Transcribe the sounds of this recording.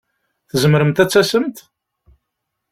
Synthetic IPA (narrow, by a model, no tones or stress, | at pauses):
θəzəmɾəmt̪æt͡sːæsəmt̪